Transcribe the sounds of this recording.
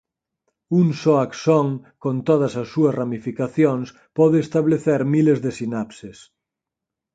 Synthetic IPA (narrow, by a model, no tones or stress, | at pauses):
uŋsoaksɔŋkont̪oð̞ɐsɐsːuɐsramifikaθjoŋs | pɔðeːst̪aβleθeɾmilezðesinapses